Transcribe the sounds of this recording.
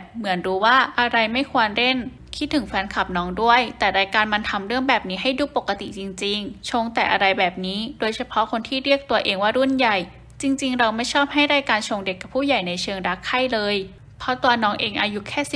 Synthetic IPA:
mɯ˩˦ənɾuː˦waː˥˩ʔa˧ɾa˧jma˥˩jkʰu˧ənɾe˥˩n | kʰi˦˥t̪ʰːɯ˨˩˦ŋfɛː˧˥nkʰa˨˩p̚nɔː˦˥ŋdu˥˩əjt̪ɛː˨˩ɾaː˧jkaː˧nma˧nt̪ʰa˧mɾɯ˥˩əŋbɛː˨˩p̚niː˦˥ɦa˥˩jduː˧˩po˨˩kːa˧t̪ḭ˨˩t͡ɕi˧ŋt͡ɕi˧ŋt͡ɕʰo˧ŋt̪ɛː˨˩ʔa˧ɾa˧jbɛː˨˩p̚niː˦˥doː˧jt͡ɕʰa˧pʰɔ˦˥kʰo˧nt̪ʰiː˥˩ɾi˥˩ək̚t̪u˧ɐʔeː˧ŋwaː˥˩ɾu˥˩nja˨˩j | t͡ɕi˧ŋt͡ɕi˧ŋɾa˧wma˥˩jt͡ɕʰɔː˥˩p̚ɦa˥˩jɾaː˧jkaː˧nt͡ɕʰo˧ŋde˨˩kːa˨˩pʰːuː˥˩ja˨˩jna˧jt͡ɕʰɯː˧ŋɾa˦˥kʰːa˥˩jlɤː˧j | pʰɔ˦˥t̪u˧ənɔː˦˥ŋʔeː˧ŋʔaː˧ju˦˥kʰɛː˥˩s

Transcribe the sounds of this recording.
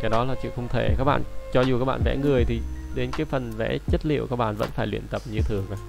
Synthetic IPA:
kaː˨˦jɗɔ˨˦laː˨˩t͡ɕɨ̰˧˨xə˧wŋ͡mt̪ʰe˧˩ka˦˥k̚ɓa̰ː˧˨nt͡ɕɔ˧zu˨˩kaː˦˥k̚ɓa̰ː˧˨nvɛ̰˧˥ŋɨ˨˩əjt̪ʰi˨˩ɗe˨˦nkaː˨˦jfə˨˩nvɛ̰˧˥t͡ɕə˦˥t̚lḭ˧˨əwkaː˦˥k̚ɓa̰ː˧˨nvə̰˧˥nfaː˧˩jlwḭ˧˨ənt̪ə˨˩p̚ɲɨ˧t̪ʰɨ˨˩əŋʔə˨˦

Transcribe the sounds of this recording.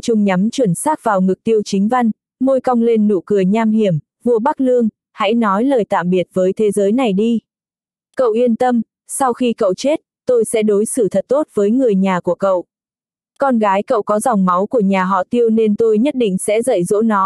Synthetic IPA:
t͡ɕʊ˧ŋ͡mɲa˨˦mt͡ɕwə˧˩nsaː˦˥k̚vaː˨˩wŋɨ˨˩k̚t̪i˧əwt͡ɕï˨˦ŋ̟va˧jŋ | mo˧jka˧wŋ͡mle˧nːṵ˧˨kɨ˨˩əjɲaː˧mhi˧˩əm | vu˧əɓa˦˥k̚lɨ˧əŋ | ha̰˧˥jnɔ˨˦jləː˨˩jt̪a̰ː˧˨mɓi˨˩ət̚vəː˨˦jt̪ʰe˨˦zəː˨˦jna˨˩jɗi˧ | kə̰˧˨wʔi˧ənt̪ə˧m | sa˧wxi˧kə̰˧˨wt͡ɕe˦˥t̚t̪o˧jsɛ̰˧˥ɗo˨˦jsɨ˧˩t̪ʰə˨˩t̚t̪o˦˥t̚vəː˨˦jŋɨ˨˩əjɲaː˨˩ku˧˩əkə̰˧˨wʔ | kɔ˧nɣaː˨˦jkə̰˧˨wkɔ˨˦za˨˩wŋ͡mma˨˦wku˧˩əɲaː˨˩ɦɔ̰˧˨t̪i˧əwne˧nt̪o˧jɲə˦˥t̚ɗḭ̈˧˨ŋ̟sɛ̰˧˥zə̰˧˨jzo̰˧˥nɔ˨˦

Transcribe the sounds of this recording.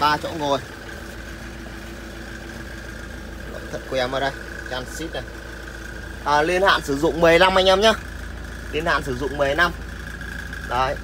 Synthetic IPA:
ɓaː˧t͡ɕɔ̰˧˥nŋo˨˩j | lo̰˧˥ŋ͡mt̪ʰə̰˨˧˩ku˧˩a˨˧˩mʔəː˨˧˩ɗə˧˩j | t͡ɕaː˧nsi˦˥t̚na˨˩ | ʔəː˨˩li˧ənha̰ː˧˨nsɨ˧˩˦zʊ̰˧˨ŋ͡mmɨ˨˩əjla˧mha˧jŋa˧mɲaː˧ | li˧ənha̰ː˧˨nsɨ˧˩zʊ̰˧˨ŋ͡mmɨ˨˩əjna˧m | ɗə˨˦j

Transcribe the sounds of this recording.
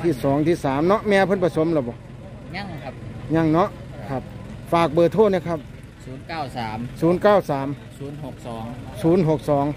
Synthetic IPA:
t̪ʰiː˧˩sɔː˨˩˦ŋt̪ʰiː˧˥˩saː˨˦mnɔ˦˥ʔmɛː˧pʰnpʰa˧so˨˦mlaː˧˩bɔː˨˧˦ | ɲa˧˥˨ŋʰa˦˧p̚ɲa˧˩˨ŋnɔ˦˥ʔ | kʰa˧˩p̚faː˨˩k̚bɤː˨˩t̪ʰoː˥˩t̪̚niː˧˩kʰa˧˥˩p̚ | suː˩˦nkaː˥˩wsaː˩˦msuː˨˩˦nkaː˥˩wsaː˨˩˦m | suː˨˩˦nɦo˨˩k̚sɔː˨˩˦ŋsuː˨˦nɦo˨˩k̚sɔː˩˦ŋ

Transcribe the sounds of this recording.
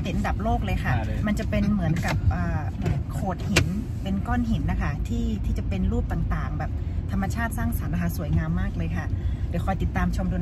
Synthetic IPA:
t̪e˨˦n˧da˨˩p̚loː˥˩k̚lɤː˧jkʰa˥˩ma˧nt͡ɕa˨˩pe˧nmɯ˩˦ənka˨˩p̚ʔəː˨˩˧ | kʰoː˨˩t̪̚hi˨˩˦n | pe˧nkɔː˥˩nɦi˨˩˦nːa˦˧kʰa˥˩t̪ʰiː˥˩t̪ʰiː˥˩t͡ɕa˨˩pe˧nɾuː˥˩p̚t̪aː˨˩ŋt̪aː˨˩ŋbɛː˨˩p̚t̪ʰa˧mːa˧t͡ɕʰaː˥˩t̪̚saː˥˩ŋsa˨˩˦nːa˧kʰa˥˩su˩˦əjŋaː˧mːaː˥˩k̚lɤː˧jkʰa˥˩dɛ˨˦kʰɔː˧˩jt̪i˨˩t̪ːaː˧mt͡ɕʰo˧mduː˧n

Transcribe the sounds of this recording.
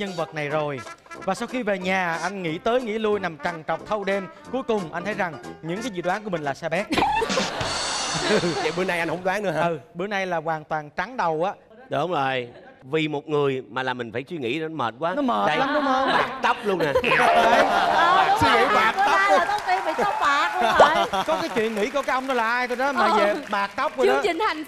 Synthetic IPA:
ɲə˧nvə˨˩t̚na˨˩jzo˨˩jvaː˨˩sa˧wxi˧ve˨˩ɲaː˨˩ʔa˧jŋ̟ŋḭ˧˥t̪əː˨˦jŋḭ˧˥lu˧jna˨˩mt͡ɕa˨˩ŋt͡ɕə˨˩wk͡p̚t̪ʰə˧wɗe˧m | ku˨˦əjkʊ˨˩ŋ͡mʔa˧nt̪ʰə˨˦jza˨˩ŋɲɨ̰˧˥ŋkaː˨˦jzḭ˧˨˩ɗwaː˨˦ŋku˧˩əm˨˩ŋ̟laː˨˩saː˧ɓɛ˦˥t̚ | ɓɨ˨˦əna˧jʔa˧nhə˧˦ŋ͡mɗwaː˨˦ŋnɨ̰˧˦ə˧ɨ˨˩ɓɨ˨˦əna˧jlaː˨˩kwaː˨˩nt̪waː˨˩nt͡ɕa˨˦ŋɗə˨˩wʔaː˨˦ | ɗʊ˨˦ŋ͡mzo˨˩j | vi˨˩mo˨˩t̚ŋɨ˨˩əjmaː˨˩laː˨˩mï˨˩ŋ̟faː˧˩jswi˧ŋḭ˧˥˧nɔ˨˦məː˨˩t̚kwaː˨˦nɔ˨˦məː˨˩t̚laː˨˦mɗʊ˨˦mːə˧ɓaː˨˩k̚t̪ə˦˥wk͡p̚lu˧ənaː˨˩˧si˧zḭ˧˥˦ɓaː˨˩k̚t̪ə˦˥pt̪ə˨˦˥i˧vi˨ɔ˦˥ɓaː˨˩˦kɔ˨˦aː˨˦jt͡ɕwḭ˧˨ənŋḭ˧˥ku˧˩kaː˨˦˥k̚ʔwŋ͡mnɔ˨˦laː˨˩ʔaː˧jt̪o˧jɗɔ˨˦maː˨˧zə˨˩ɓaː˨˩k̚t̪ə˦˥wk͡p̚to˨˩ɗt͡ɕï˨˩ŋha˨˩jŋ

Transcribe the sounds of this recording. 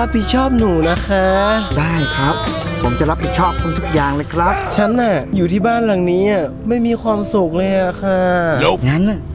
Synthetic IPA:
ɾa˦˥p̚hi˨˩t̪̚t͡ɕʰɔː˥˩p̚nuː˨˩na˦˥kʰa˦˥daː˥˩jkʰɾa˦˥p̚ʰːo˩˦mt͡ɕa˨˩ɾa˦˥p̚hi˨˩t̪̚t͡ɕʰɔː˥˩p̚kʰu˧nt̪ʰu˦˥k̚jaː˨˩ŋlɤː˧jkʰɾa˦˥p̚t͡ɕʰa˦˥nʔa˧˩juː˨˩t̪ʰiː˥˩baː˥˩nla˨˩ŋniː˦˥ʔa˧˩ | ma˥˩jmiː˧kʰwaː˧msu˨˩k̚lɤː˧jʔa˨˩kʰa˧˩ŋa˦˥na˧˩

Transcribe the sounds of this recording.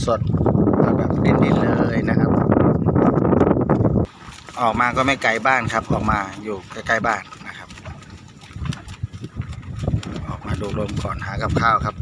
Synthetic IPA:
su˨˩t̪̚laː˧˩ka˧˩di˧˩˨ndi˧˥˩nlɤː˧jna˦˧kʰa˦˥p̚ | ʔɔː˨˩k̚maː˧kɔː˥˩ma˥˩jka˨˩jbaː˥˩nkʰa˦˥p̚ʔɔː˨˩k̚maː˧juː˨˩ka˧˩ka˧˥˩jbaː˥˩nːa˦˧˥kʰa˦˥p̚ | ʔɔː˨˩k̚maː˧duː˧˩k̚lo˧mkʰɔː˨˩˦nhaː˩˦ka˧˦p̚kʰaː˥˩wkʰa˦˥p̚

